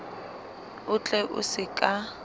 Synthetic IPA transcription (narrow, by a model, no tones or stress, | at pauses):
ʊt͡ɬʼɛʔʊ̰sɪkʼa